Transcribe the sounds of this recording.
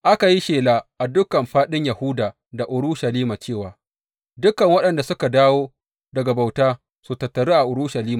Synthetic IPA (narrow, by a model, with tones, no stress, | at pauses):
ʔa˦ka˨ji˦ʃeː˨laː˨ʔa˨dʊ˦kɐ˨mɸaː˦ɗɪ˦ɲja˨hʊ˦daː˨ | da˨ʔʊ˨ɾʊ˦ʃɐ˨liː˦ma˨t͡ʃeː˦˨waː˨ | dʊ˦kɐ˨ŋwɐ˦ɗɐ˨nda˨sʊ˦ka˨daː˦woː˦ | dɐ˨ɡa˨ba˨wtaː˦ | su˨tɐ˨tːɐ˨ɽeː˦ʔa˨ʔʊ˨ɾʊ˦ʃɐ˨liː˦maː˨